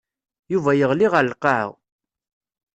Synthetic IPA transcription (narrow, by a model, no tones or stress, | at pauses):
juvæjəʁliʁəlqɑʕə̰w